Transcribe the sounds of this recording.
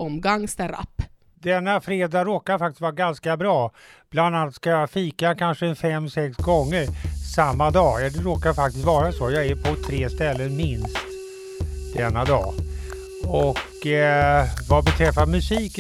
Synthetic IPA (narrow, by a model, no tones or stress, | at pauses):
ɔmɡaŋst̪ɛɾa̰pː | d̪ɛnːafɾeːd̪aɾoːkaɾfakt̪ɪ̥st̪vɑːɾaɡanskabɾɑːb̥land̪anat̪skajafiːkakʰanʂəɛnfɛmːsɛksɡɔŋːəɾsamːad̪ɑːjɑd̪ɛɾoːkaɾfak̚t̪ɪst̪vɑːɾasɔjɑːæɾpʰɔt̪ʰɾeːst̪ɛlːənmɪnst̪ | d̪ɛnːad̪ɑː | ɔk | vabɛt̪ʰɾɛfːamɵsiːk